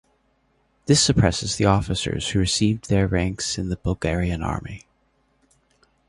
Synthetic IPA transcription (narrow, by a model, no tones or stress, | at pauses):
ðɪsɨpʰɹ̥ɛsɨzðiɔfɨsə̰˞z̥hʉɹɨsivðə˞ɹæ̃ŋksɨ̃nðɨbʌlˠɡɛɹiɨ̃nɑ̰ɹmi